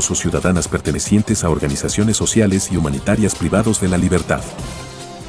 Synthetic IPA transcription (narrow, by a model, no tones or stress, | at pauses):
sosjuðaðanaspe̞ɾt̪e̞nesje̞nt̪e̞sao̞ɾɣanisasjo̞ne̞sːo̞sjale̞siumanit̪aɾjaspɾiβaðo̞zðe̞laliβe̞ɾt̪a̰ð